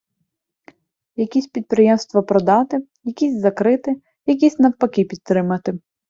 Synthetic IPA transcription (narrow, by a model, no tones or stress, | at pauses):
jɐkʲisʲpʲid̪̚pɾɪjɛmst̪ʋɐpɾɔd̪ɑt̪ɪ | jɐkʲisʲzɐkɾɪt̪ɪ | jɐk̬ʲisʲnɐwpɐkɪpʲid̪̚ɾɪmɐt̪ɪ